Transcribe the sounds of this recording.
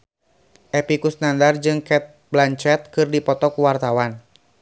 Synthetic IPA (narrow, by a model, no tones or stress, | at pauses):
ʔɛpikusnandard͡ʒɨŋkɛt̪̚blaɲt͡ʃɛt̪̚kɨrdipɔt̪ɔkuwart̪awan